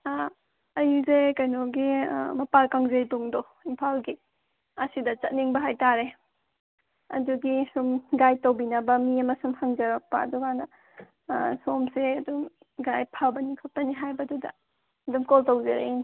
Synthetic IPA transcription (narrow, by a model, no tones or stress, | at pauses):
ɐjuzekɐjnɔɡḭmɐpalkaŋzejtuŋdɔ | impʰalɡi | ɐsidɐt͡ʃɐt̚niŋbɐɦajtaɾe | ɐ̰duɡisumɡajtowbinɐbɐmiɐmɐsumhɐŋzɐɾɐk̚pɐ̰ːdɔɡanɐ | somseɐdum | ɡajpʰabɐnikʰot̚pɐniɦajbɐdudɐ̰ | ɐdumkoltowzeɾḛini